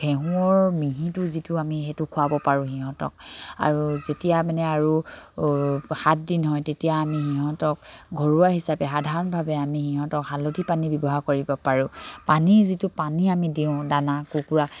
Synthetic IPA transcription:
bʰʱɛɦũɔɹmiɦĩtʊzitʊamixetʊkʰʊabɔpaɹʊ̃xiɦɔ̃tɔ̰k̚a̰ɹuzetijamanɛaɹu | hat̚dinɦɔjtetijaːmihiɦɔ̃tɔk̚ɡʱɔɹuaɦisapɛxadʱaɹɔnbʱabɛamixiɦɔ̃tɔkhalodʱipanibɔbɔɦaɹkoɹibɔpaɹʊ̃panizitʊpaniamidiʊ̃danakukuɹak

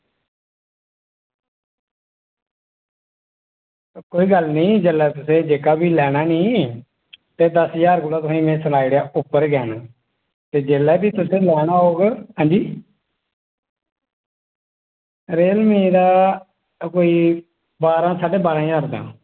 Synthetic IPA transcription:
koːiːɡəlnĩːd͡ʒeːlːɛːt̪ʊsẽːd͡ʒeːkaːbʱiːlɛːɽ̃aːnĩː | t̪eːd̪əsjaːɾkʊːlaːt̪ʊsĩːmɛ̃ːsəlaːiːɽejaːʊpːəɾɡɛːnaː | t̪eːd͡ʒeːlɛːbiːt̪ʊsẽːlɛːɽ̃ãːɦoːɡɦãːnd͡ʒiː | ɾeːlmẽːd̪aː | koːiː | baːɾãːsaːɖeːbaːɾãːjaːɾd̪ã̰ː

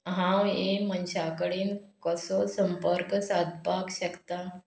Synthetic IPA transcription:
ɦãwemənɕakəɽiːnkəsɔsəmpəɾksad̪pakɕəkt̪a

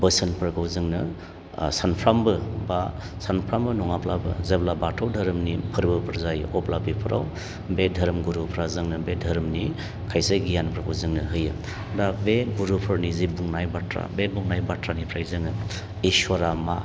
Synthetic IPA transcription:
bəsənpʰɾɡawzɯŋnɯ | sanpʰɾambɯba | sanpʰɾambɯnɔŋaplabɯ̰zeblabatʰawdʱɐɾmnipʰɯɾbɯpʰɯɾzajʔɔplabipʰɯɾa̰w | bedʱɐɾmɡuɾupʰɾazɯŋnɯbedʱɐɾmni | kʰajseɡijanpʰɾɡʰawzɯŋnɯɦɯjɯ | dabeɡuɾupʰɯɾnizibuŋnajbatɾa̰bebuŋnajbatʰɾanipʰɾajzɯŋnɯ | iswaɾama

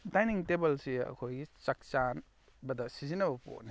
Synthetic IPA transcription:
dajniŋtebɐlsiɐ̰kʰojɡit͡ʃɐk̚t͡ʃan | bɐdɐsizinɐbɐpo̰ʔni

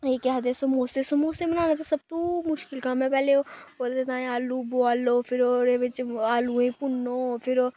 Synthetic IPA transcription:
eːkaɦɐd̪esomoːst̪esomoːsemɐnaːnet̪ʰesɐb̚t̪omʊʃkɪlkãːmẽpɛːleoolt̪et̪ãːẽaːluboaːlːofʰɪɾoɾeʋet͡ʃaːluẽpʊnːofʰɪɾo

